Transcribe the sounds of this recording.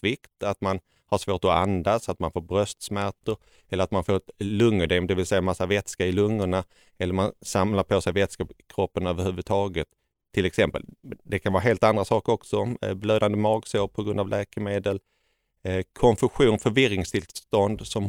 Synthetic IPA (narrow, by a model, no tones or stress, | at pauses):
tvɪkt̪at̪man | haʂvoːʈɔa̰nd̪asat̪manfoːɾbɾœst̪smæɾʈəɾ | ɛlːəɾat̪manfoːlɵŋːɵd̪ɛmd̪ɛvɪlsɛjːamasːavɛt̪skaɾɪlɵŋːəɳa | ɛlːəɾmansamlaɾpʰɔsɛjvɛt̪skakʰɾɔpːənøːvəɾhʉːvɵt̪ʰɑːɡət̪ʰː | ɪlɛksɛmpə̰ld̪ɛkʰanvɑːɾaɦeːlt̪and̪ɾasɑːkəɾɔksɔbløːd̪and̪əmɑːɡsoːpʰɔɡɾɵnd̪avlʔɛːkəmeːd̪əl | kʰɔnfɵɧuːnfœɾvɪɾɪŋst̪ʰɪlst̪ɔnd̪sɔm